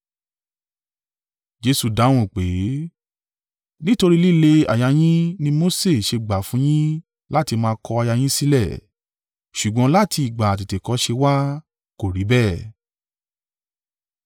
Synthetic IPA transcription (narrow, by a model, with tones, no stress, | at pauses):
d͡ʒe˧su˨da˨˦w̃ũ˦˨k͡pe˨˦ | nĩ˦to˧ɾi˦li˦le˧a̰˨ja˧j̃ĩ˦nĩ˧mo˦se˦˨ʃe˧ɡ͡ba˨fũ˨˦j̃ĩ˦ | la˦ti˧mãː˧kɔ˧a˧ja˧j̃ĩ˦si˦lɛ˦˨ | ʃu˨ɡ͡bɔ̃˨˧˦la˦ti˧i˨ɡ͡ba˨t̬i˨te˨kɔ˨˦ʃe˧wa˦ | ko˨ɾi˨˦bɛ˦˨